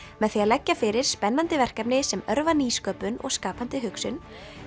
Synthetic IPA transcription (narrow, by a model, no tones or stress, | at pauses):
mɛðθiaðlɛcːafɪɾɪɾ̥spɛnːant̪ɪvɛr̥kapnɪsɛmœɾvaniːskœːpʏnɔ̰ɣskaːpant̪ɪɦʏksʏn